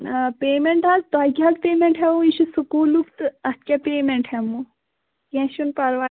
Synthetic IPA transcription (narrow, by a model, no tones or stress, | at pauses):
peːmeɳʈatt̪aːjkʲaːk̪peːmeɳʈɦɛʋũiʃusukuːlukt̪ɐst̪̚kʲapeːmeɳʈhɛmũ | kʲɛ̃ʃunpɐɾʋa